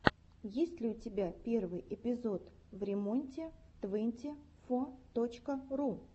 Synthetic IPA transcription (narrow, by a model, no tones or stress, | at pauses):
jesʲtʲlʲɪʊtʲɪbʲapʲe̞rvɨjʔɪpʲɪzot̪ | vɾʲɪmo̞nʲtʲɪ | t̪vɨnʲtʲɪ | fot̪ot͡ɕkəru